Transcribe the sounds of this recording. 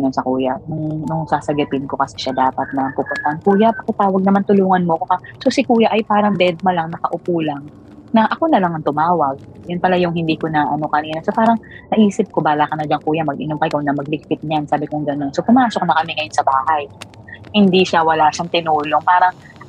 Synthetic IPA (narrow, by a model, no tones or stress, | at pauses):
nonsɐkuːjanʊŋnʊŋsaːsɐɡʊt̪ɪnko̞kɐsɛ̥ʃad̪aːpɐt̪̚nɐmpuːpʊnt̪ɐʔɐŋkuːjapɐkɐt̪aːwɐɡ̚nɐmant̪ʊluːŋɐnmoɐkokɐsosɪkuːjaʔɐjpaːɾɐŋd̪ɛd̪̚mɐlaŋnɐkɐʔʊpuːlɐŋ | nɐʔɐko̞nɐlaŋɐŋt̪ʊmaːwɐɡ̚jʊnpɐlajʊŋhɪnd̪iːko̞nɐʔɐno̞kɐniːnɐsopaːɾɐŋnɐʔiːsɪp̚ko̞baːlakɐnɐd͡ʒaŋkuːjɐmɐɡʔɪnomkɐjkonɐmɐɡ̚lɪk̚pɪt̪̚ɲansaːbɪkoŋɡɐno̞nsopʊmaːsok̚nɐkɐmɛŋɐjonsɐbaːhaj | hɪnd̪iʃawɐlaːʃaŋt̪ɪnuːlo̞ŋpaːɾɐŋ